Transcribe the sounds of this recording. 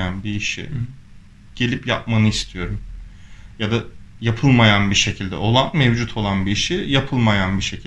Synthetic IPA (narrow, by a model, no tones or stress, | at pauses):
anbiːʃḭ | ɟ̥e̞lʲipja̰p̚manɯist̪ʰijo̞ɾum | jad̪a | japʰɯlˠmajanbiʃe̞cʰilʲd̪ɛ̰o̞lˠanmevd͡ʒut̪ʰo̞lˠanbiːʃijapʰɯlˠmajanbiʃe̞cʰ